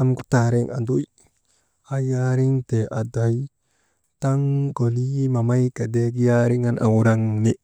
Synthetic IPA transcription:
a˦mku˦ta˨ɾi˦ŋa̰˨ndu˦j | a˦ja˦ɾi˦ŋte˨ʔa˨da˨j | ta˦ŋɡo˨li˦ma˨ma˦jka˨de˦ɡi˦ja˦ɾi˦ŋa˦nʔa̰˨wu˨ɾa˦ŋ˨ni˦

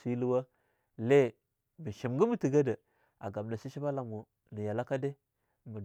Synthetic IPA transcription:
si˦lu˦wa˦ | le˦˨ | mi˨ʃi˨mɡə˦mu˦˨ti˨ɡa˦də˨ | a˨ɡa˨bna˨si˦ʃi˦ba˦la˨m˨o˨ | nə˨ja˨la˦ka˦de˦ | mə˨

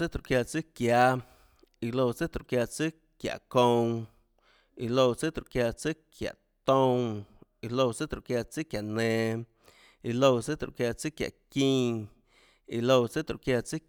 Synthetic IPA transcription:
ɨ˦t̪ɾu˧ʔkja˧t͡sɨ˦kja˧ | i˧lo˧t͡sɨ˦t̪ɾu˧ʔkja˧t͡sɨ˦ | kja̰˨ʔkõ˧w̃ | i˧lo˧wt͡sɨ˦t̪ɾṵ˧ʔkja˧t͡sɨ˦kʰja̰˨ʔ | t̪õ˦˧ŋi˧lo˧wt͡sɨ˦t̪ɾṵ˧˨kja˧t͡sɨ˦kja˨nẽ˨˧˨ | i˧lo˧wt͡sɨ˦t̪ɾṵ˧˨kja˧t͡sɨ˦kja̰˨ʔkĩː˦˧ | i˧lo˧wt͡sɨ˦t̪ɾṵ˧˨kja˧t͡sɨ˦

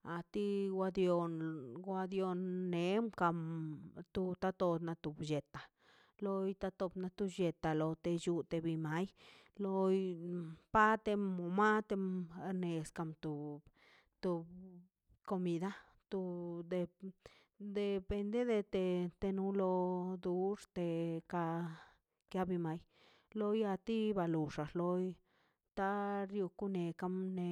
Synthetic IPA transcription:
a˨t̪i˦wʷa˧d̪jo˧nɡʷa˧d̪jo˧nːe˨˦mka˧mt̪u˧t̪a˧t̪o˧d̪na˧t̪u˨bje˨t̪a˨ | lo˧jt̪a˧t̪o˧bna˧t̪u˧je˨t̪a˨lo˧t̪e˧ju˧t̪e˧bi˧ma˨˦jlo˧jpa˦t̪e˧mo˨ma˦t̪e˧m˧ne˨ska˧˨mt̪u˨ | t̪u˧b | ko˧mi˧d̪a˦ | t̪u˧d̪e˧ | d̪e˨pe˧nd̪e˦d̪e˧t̪e˧t̪e˧nu˧˦lo˧d̪u˦ʂt̪e˧ka˧ | kja˧˦bi˧ma˨˦j | lo˧ja˧t̪i˦ba˧lu˨ʂa˨lo˧˦j | t̪a˦ɾju˧ku˦ne˨ka˦mne˧

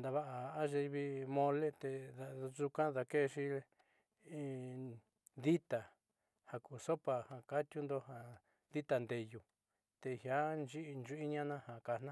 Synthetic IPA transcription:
nd̪a˧βa˦ʔa˨a˦ʒe˧i˧βi˧mõ˧le˦t̪e˧ða˧ʐu˧kã˦ða˧ke˦˧ʃi˦ | ði˦t̪a˨ | ha˨ku˧˨so˦pa˨hã˨ka˦t̪ʲju˦nd̪o˧ɦa˧ | ði˦t̪a˧nd̪e˧ju˧ | t̪e˧˨hja˦nd͡ʒi˦˧nd͡ʒu˧˦i˦ɲã˦nã˦ha˨ka˧˨n̥ã˦

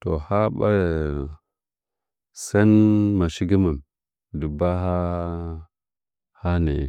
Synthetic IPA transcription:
to˨ha˦ɓa˦˨ | sa˦nma˨ʃi˦ɡi˦ma˨m | di˨ba˦ɦa˦ | ha˦nḛ˨

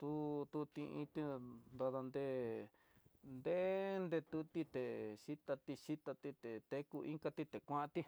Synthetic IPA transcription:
t̪u˦t̪u˧t̪ĩ˧ĩ˧t̪i˧nd̪a˧ða˧nd̪e˧ | nd̪e˦ʔnd̪e˧t̪u˧˦t̪i˧t̪e˨ʃi˦t̪a˧t̪i˧ʃi˦t̪a˧t̪i˧t̪e˨t̪e˦ku˧ʔḭ̃˦ŋka˧t̪i˦˧t̪e˨kʷã˦ʔã˧t̪i˦

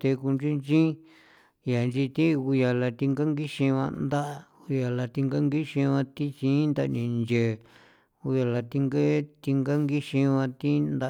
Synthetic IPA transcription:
t̪e˧ku˧nt͡ʃũ˦nt͡ʃĩ˦ | ja˨nd͡ʒi˧t̪ĩ˦˧u˧ja˨la˧t̪i˧ŋɡa˦ŋɡi˦ʃĩ˧βã̰˧nd̪a˦ʔa˧ | u˧ja˨la˧t̪i˧ŋɡa˦ŋɡi˦ʃĩ˧βã˧t̪i˦t͡ʃĩ˦nd̪a˧nĩ˨˧nd͡ʒe˨ | u˧ja˨la˨t̪i˧ŋɡe˦t̪i˧ŋɡa˦ŋɡi˦ʃĩ˧βã˧t̪i˦nd̪a˧

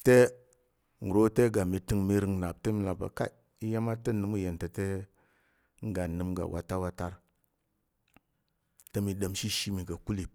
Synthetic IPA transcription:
te˦ | ŋ̩˨ɾo˦te˦ɡa˨mi˨tɨ˨ŋmi˦ɾɨ˨ŋna˨b̚te˦mi˨la˨ba̰˨ka̰˦ | i˦ja˦ma˦tə˦nɨ˨˦mu˦je˨ntə˨te˦ | ŋ˦ɡa˨nɨ˨mɡa̰˨wʔa̰˨ta˦wa˦ta˦ɾ | te˦mi˨ɗə˨mʃi˦ʃi˦mi˨ɡa˨ku˦li˨

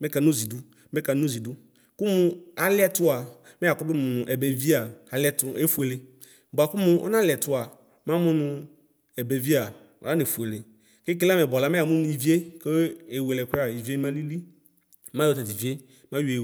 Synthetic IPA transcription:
me˦ka˨no˦zi˨du˦ | me˦ka˨nu˦zi˨du˦ | ku˦mũ˦a˨lɪ˦ɛ˦tʊ˦a˨ | me˦a˨kɔ˦dʊ˦mʊ̃˨nʊ̃˨ʔɛ˨be˨vi˦a˨a˨lɪ˦ɛ˦tʊ˦e˦fu˨e˨le˨ | ba˨ku˦mũ˨ʔɔ̰˦nã˦lɪ˨ɛ˨t̪ʊ˦a˨ | mã˦mũ˦nʊ̃˨ | ɛ˨be˨vi˦a˨ | ɔ˨a˦ne˨fu˨e˨le˨ | ke˦k̬e˦la˦me˨bɔ˨la˦me˦a˨mũ˦nũ˨i˨vi˦e˦ke˦e˨we˨lɛ˨ke˦a˨i˨vi˦e˦mã˦li˦li˦ | mã˦jɔ˦ta˨ti˨vi˦e˦ | mã˦ju˦˨e˨

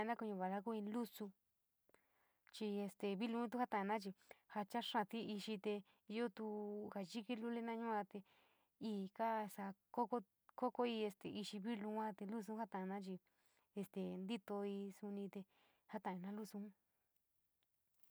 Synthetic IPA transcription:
a˧nã˦ku˧ɲũ˧βa˨la˦ku˦ĩ˧lu˦su˧ | t͡ʃi˧e˧st̪e˨βi˦lũ˧˦t̪̬u˧ha˦t̪a˨˧nã˦t͡ʃi˧ha˧t͡ʃa˦ʂã˧˨t̪i˦i˧ʃi˧t̪e˧ | jo˦t̪u˧ha˧ʒi˦ki˦lu˦le˦nã˦ɲũ˦ã˧t̪e˧ | iː˦˨ka˦˧sa˧ko˦ko˦ | ko˦ko˦i˧e˧st̪ḛ˧ʔi˧ʃi˧βi˦lũ˧˦ã˦t̪e˧lu˦s̬u˧˦ha˦t̪ã˨˧nã˦t͡ʃi˧ | e˧st̪e˨nd̪i˦t̪o˧i˧su˧nĩ˧t̪e˧ | ha˦t̪ã˨˧ĩ˧nã˧˦lu˦sũ˧˦

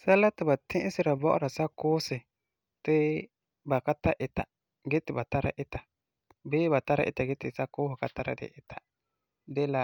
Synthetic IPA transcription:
sa˦la˦tɪ˨ba˨tʰɪ̃˦ʔɪ˦sɪ˦ɾa˨bɔ˦ʔʊ̰˦ɾa˨sa˦kʊː˦sɪ˨ | tɪ˦ | ba˨ka˦ta˦ʔɪ˨ta̰˨ | ɡɛ˦tɪ˨ba˨ta˦ɾa̰˦ʔɪ˦ta˨ | beː˦ba˨ta˦ɾa̰˦˨ʔɪ̰˨ta˨ɡɛ˦tɪ˨sa˦kʊː˦hɪ˨ka˦ta˦ɾa̰˦dɪ̰˨ʔɪ˨tḁ˨ | dɛ˦la˨

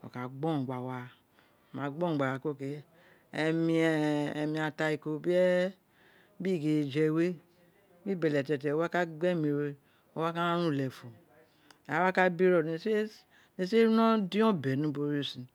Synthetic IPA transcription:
o̰˨ka˨ɡ͡bɔ˦˨ɡ͡ba˨wa˨ | mã˨ɡ͡bɔ̃˦˨ɡ͡ba˨wa˨ko˦˨ke˨ | e˨mi˧˨mĩ˨˧a˨ta˧i˨ko˨bi˦ɛ˦ | bi˦˨ɡe˨d͡ʒe˨we˦ | bi˦be˨lɛ˨tɛ˨tɛ˨o˦a˦ka˦ɡ͡bɛ˦mi˨ɾe˦ | o˦wa˦ka˦ɾũ˦˨lɛ˨fu˨ | a˦wa˦ka˦bi˦ɾo˦˨se˦ | ne˨se˦ɾu˦no˦di˦ɔ̃˦bɛ˨nũ˦bo˦ɾo˦si˨

